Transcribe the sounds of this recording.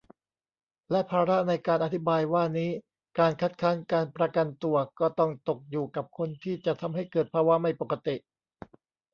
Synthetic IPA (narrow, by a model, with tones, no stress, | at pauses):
lɛ˦˥ʔpʰaː˧ɾa˦˥na˧jkaː˧nʔa˨˩t̪ʰi˦˥baː˧jwaː˥˩niː˦˥ | kaː˧nkʰa˦˥t̪̚kʰaː˦˥nkaː˧npɾa˧ka˧nt̪u˨˩ɐkɔː˥˩t̪ɔ˥˩ŋt̪o˨˩k̚juː˨˩ka˨˩p̚kʰo˧nt̪ʰiː˥˩t͡ɕa˨˩t̪ʰa˧mɦa˥˩jkɤː˨˩t̪̚pʰaː˧wa˦˥ma˥˩jpo˨˩ka˧t̪i˨˩ʔ